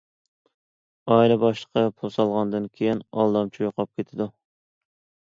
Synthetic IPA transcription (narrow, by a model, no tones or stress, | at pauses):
ɑilɛbɑʃlˠə̥qʰɑpʰulˠsɑlˠʁɑnd̪ɨnkʲʰejinɑlˠd̪ɑmt͡ʃʰujoqʰɑp̚kʲet̪ʰɪd̪u